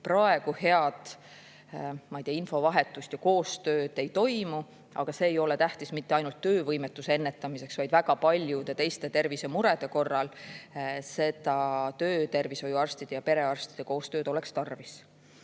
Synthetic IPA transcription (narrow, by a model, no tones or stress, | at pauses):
prɑe̞ɡ̥uhe̞ɑd̪̥ | mɑijt̪iɑinfo̞vɑɦe̞t̪ːˑust̪jɑko̞ːst̪ø̞ːd̪̥e̞jt̪o̞jmu | ʔɑ̰ɡ̥ɑse̞ːjo̞let̪æht̪ismit̪ːe̞ɑjnult̪ːø̞ːvɤjmet̪ːˑuseenːe̞t̪ːˑɑmise̞ksvɑjd̪̥væɡ̥ɑpɑlʲjud̪e̞t̪e̞jst̪e̞t̪e̞rvise̞muɾe̞d̪̥e̞ko̞rːɑl | se̞t̪ɑt̪ø̞ːt̪e̞rviso̞juɑrst̪id̪̥ejɑpe̞ɾe̞ɑrst̪id̥̪e̞ko̞ːst̪øːd̪̥o̞le̞kst̪ɑrvis